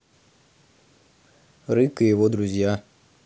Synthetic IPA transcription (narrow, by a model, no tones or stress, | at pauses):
ɾɨkɨjɪvod̪ɾʊzʲja